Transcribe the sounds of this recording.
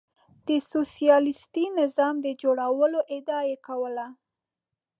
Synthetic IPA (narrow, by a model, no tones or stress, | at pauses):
d̪̥əsosijɑlɪst̪inɪzɑmd̪əd͡ʒoɽawəloʔɪd̪ɑjekawəla